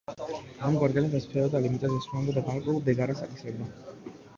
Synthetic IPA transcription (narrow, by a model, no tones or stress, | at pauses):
amɡwaɾɡɛlɛpɛspʰɛɔd̪alimit̪ʼazɛsuamd̪ad̪aɡaɾkʼwɛulˠd̪ɛɡaɾasakʼisɾɛb̚d̪a